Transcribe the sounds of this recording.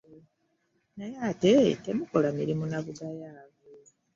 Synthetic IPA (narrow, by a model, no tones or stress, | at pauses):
najatete̞mukolamiɾimunaβuɡajaːβe